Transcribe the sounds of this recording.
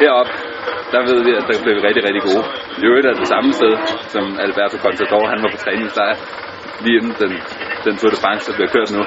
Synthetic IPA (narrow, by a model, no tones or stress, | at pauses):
heɐ̰ɒ̽b̥̚ | d̥ɑ̈ʋe̝ð̞̰ˠʋiæd̥ɑ̈b̥le̝ʋiʁɛɡ̥̚d̥iʁɛɡ̥̚d̥iɡ̥o̝ː | joɾæɐd̥e̝sɑ̈məsd̥eð̞ˠsɒ̽mælb̥æɐ̰t͡sʰokʰɒ̽nsʰæd̥ɒːhænʋɑ̈pʰɒ̽t͡sʰʁɛːne̝ŋsd̥ɑ̈ɪ | liːenn̩d̥en | d̥ent͡sʰoɐ̥əfɑ̈ŋsəd̥ɑb̥liɐkʰøɐ̰d̥nu